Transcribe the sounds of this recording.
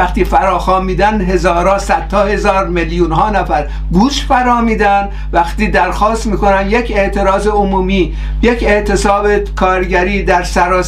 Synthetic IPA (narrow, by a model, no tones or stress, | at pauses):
æχt̪iːfæɾɒːxɒːmiːd̪ænɦe̞zɒːɾɒːsæd̪̥hɒːhe̞zɒːɾmeljuːnɦɒːnæfæɾ | ɡuːʃfæɾɒːmiːd̪æn | væxt̪iːd̪æɾxɒːst̪miːko̞nænd̪jecʰe̞ʔt̪ʰe̞ɾɒːzeomuːmiː | jecʰe̞ʔt̪ʰesɒːbekʰɒːɾɟæɾiːd̪æɾsæɾɒː